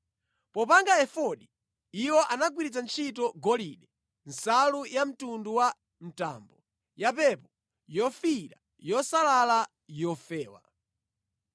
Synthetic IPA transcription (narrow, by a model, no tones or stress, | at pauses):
pɔpaŋɡaɛfɔɗi | iwɔʔanaɡwiɾit͡sant͡ʃʰitɔɡɔliɗɛ | nsalujam̩tunduwa | m̩ta̰ːmbɔ | japɛpɔ | jɔfiɾa | jɔsalala | jɔfɛːwa̰